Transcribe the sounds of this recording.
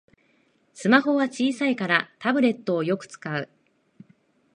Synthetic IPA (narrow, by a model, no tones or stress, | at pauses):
sɨmaho̞βat͡ɕiːsaikaɾat̪abɯ̟ɾe̞t̪ːo̞ːjo̞kɯ̟̥t͡sɨ̥kaɯ̟̰